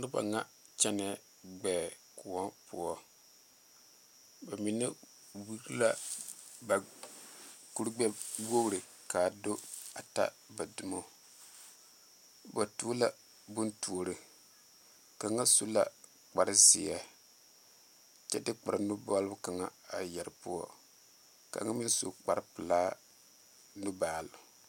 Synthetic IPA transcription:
ɾɨ˦ba̰˨ŋa˦ | t͡ʃɛ˦nɛ˨˦ | ɡ͡bɛː˨ | kʊ˨wɔ˦pʊ˦ɔ˦ | ba˨mi˨na˦ | wi˦ɾla˦ba˨ | ku˦ɾɡ͡bɛ˦wo˦ɣɾɨ˨ | ka˨do˦a̰˨ta̰˦ | ba˨du˨mo˦ | ba˨tu˦la˦ | bʊ˦ntu˨o˨ɾɨ˨ | ka˨ŋa˦su˦la˦ | k͡pa˨ɾɨ˦sɪ̰˨ja˦ | t͡ʃɛ˦dɨ˦k͡pa˨ɾa˨nu˦bɔ˦lbʊ˦ka˨ŋa˨a˨jɛ˨ɾɨ˦pu˦ɔ̰˦ | ka̰˨˦ŋa˦mɪ˦n˦so̰˨k͡pa˨ɾɨ˦pɨ˨laː˦ | nu˦baː˨lʊ˨

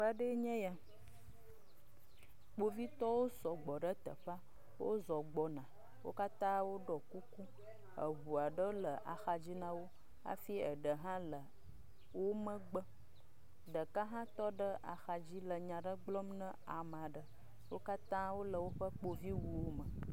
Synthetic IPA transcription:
ɸa˦ɖə˦ɲɛ̃˦ja˨ | k͡po˦vi˦t̪ɔ˦wo˦sɔ˨ɡ͡bɔ˨ɖə˦t̪ə̰˨ɸa˦ | wo˦zɔ˨ɡ͡bɔ˨nã˨ | wo̰˦ka˦t̪ã˦wo˦ɖɔ˨ku˦ku˦ | ə̰˨ɦu˨a˨ɖə˦lə˨ʔa̰˨xa˨d͡ʑi˦nã˦wo˦ | a̰˦fi˦ə˨ɖə˨ɦã˦lə˨ | wo˦mə̃˦ɡ͡bə˦ | ɖə˨ka˦ɦã˦t̪ɔ˦ɖə˦a̰˨xa˨d͡ʑi˦lə˨ɲã˨ɖə˦ɡ͡blɔ˦mnə̃˦a˨m˨a˨ɖə˨ | wo̰˦ka˦t̪ã˦wo˦lə˨wo˦ɸə˦k͡po˨vi˦wu˨wo˦mə˨

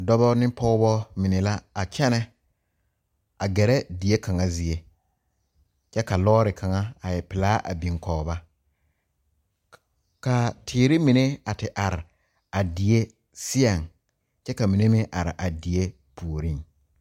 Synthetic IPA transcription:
dɔ˦bɔ˦nɪ̃˦pɔ˦bɔ˦mɪ˨ne˨la˦a˨t͡ʃɛ˦nɛ˦ | a˨ɡɛ˨ɾɛ˦di˨e˦kʰa˨ŋa˨zi˨e˦ | t͡ʃɛ˦ka˨lɔː˦ɾɪ˨kʰa˨ŋa˦a˨jɛ˨pɪ˨laː˦ʔa̰˨bĩ˨ŋkɔː˨ba˦ | ka˨tʰɪː˨ɾɪ˦mi˨ne˦a˨tɪ˨ʔa˨ɾɪ˨ | a˨di˨e˦ | sɪ˦a˨ŋ | t͡ʃɛ˦ka˨mi˨ne˦mɪ̃˦ʔa˨ɾɪ̰˨ʔa˨di˨e˦ | pʰu˨o˨ɾĩ˦

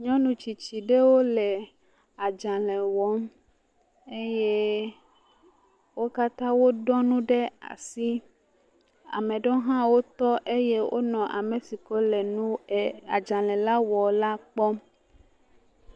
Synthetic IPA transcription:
ɲɔ̃˦nũ˨t͡ɕi˨t͡ɕi˨ɖe˦wo˦lɛ˨ | a˨d͡ʒã˨lɛ̃˨wɔ˦m | e˦je˦ | wo˦ka˦t̪ã˦wo˦ɖɔ˦nũ˦ɖe˦a̰˨si˦ | a̰˨mẽ˨ɖɔ˦ɦã˦wo˦t̪ɔ˦ʔe˦je˦wʔo̰˦nɔ̃˨ʔa̰˨me˨si˨kɔ˦lɛ˨nũ˦˨a˨d͡ʒã˨lɛ̃˨la˦wɔ˨la˦k͡pɔ˦m

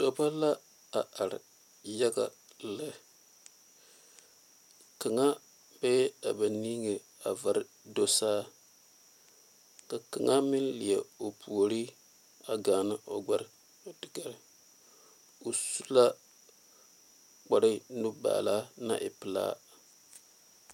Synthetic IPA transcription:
d̥o˨pa˦la˦ | a˨ʔa˨ɾɪ̰˨ | ja˦ɡa̰˨ | lɨ˦ | ka˨ŋa˦ | b̥ɛ˦a˨ba˨niː˦ŋe˨ | a̰˨va˨ɾɪ˦ | do˦saː˦ | ka˨ka˨ŋʔa˦mɪ˦nlɪ˨jɛ˨o˨pʰu˨o˨ɾi˦ | a˨ɡaː˨nɨ˦ʔo˨ɡ͡ba˦ɾ | o˨dɨ˨ɡa˨ɾ | o˨su˦la˦ | k͡pa˨ɾɨ˦nu˦ba̰ː˨la˦na̰˦ʔɪ̰˨pɨ˦la̰ː˦

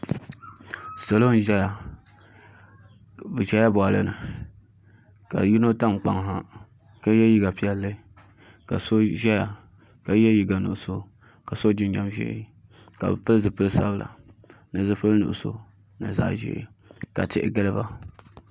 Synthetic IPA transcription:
so˨lo˦n̩˦ʒɛ˦ja˨ | bɨ˨ʒɛ˦ja˦bɔ˨a˨lɨ˦nɨ˨ | ka̰˨ji˦no˦ta˦˨ŋ͡mk͡pa˨ŋ˨ɦa˦ | ka˦jɛ˦ji˦ɡa˨pi˦ɛ˦lːɨ˦ | ka̰˨so˦ʒɛ˦ja˨ | ka˦jɛ˦ji˨ɡa˨nṵ˨ʔʊ˨so˦ | ka˨so˦d͡ʒɪ˦n˦ɲa˦mʒɛ̰˦ | ka̰˨bɨ˨pɨ˦lɨ˦zɨ˨pɨ˦lsa̰˦bɨ˦˨la̰˨ | nɨ˨zɨ˦pɨ˦lnṵ˨ʔʊ˨so̰˦ | nɨ̰˨za̰˦˨ʔʒḭ˨˦ | ka̰˨tɪ˦ʔɪ̰˨ɡɨ˦lɨ˦ba˦

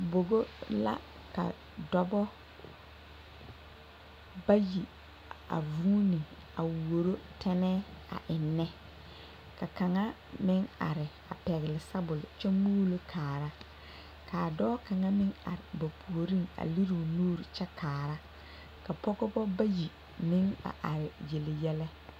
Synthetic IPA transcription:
bo˨ɡo˦la̰˦ | ka̰˨ | dɔ˦bɔ˦ | ba˦ji˨ | a̰˨vuː˦ni˨ | a̰˨wo˨ɾo˦tʰɛ˦nɛ˦a̰˨ʔɪ˨nːɛ˦ | ka˨ka˨ŋa˦ | mɪ˦ŋa̰˨ɾɪ˨ | a˨pɛ˨ɣɪ˨lɪ˨sa˦bʊ˨lt͡ʃɛ˦mu˦lo˦kʰaː˨ɾa˦ | ka˨dɔː˦ka˨ŋa˦mɪ˦ŋa̰˨ɾɪ˨ba˨pʰu˨o˨ɾi˦˨ŋa̰˨li˦ɾi˨nuː˦ɾi˨t͡ʃɛ˦kʰaː˨ɾa˦ | ka˨pɔ˦kɔ˦ɡɔ˦ba˦ji˨ | mɪ˦ŋa̰˨ʔa̰˨ɾɪ˨je˨lɪ˨jɛ˦lɛ˦

